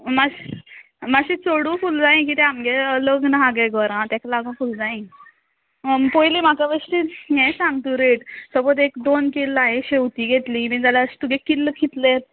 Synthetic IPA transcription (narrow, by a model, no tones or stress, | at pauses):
ma | maɕit͡soɽũːfuld͡zaĩk̬it̪ɛamɡeələɡnaɦaɡɛɡɔɾãt̪ãklaɡũfuld͡zaĩ | pojlim̤akaʋəʂʈijɛ̃sãŋɡt̪ũɾeʈsəbot̪ekd̪onkelaɦeɕewt̪iːɡʱet̪lĩmĩd͡z̪alaɕi̥t̪uɡekilːəkʰit̪ləjet̪̚